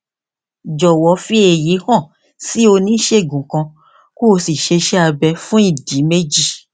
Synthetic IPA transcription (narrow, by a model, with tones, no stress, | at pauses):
d͡ʒɔ˨wɔ˨˦fi˦e˨ji˨˦hɔ̃˦˨ | si˨˦o˧nĩ˨˦ʃe˦˨ɡũ˨kã˧ | ku˦o˧si˨ʃe˧ʃɛ˦a˧bɛ˧fũ˦i˦˨di˨˦me˦d͡ʒi˦˨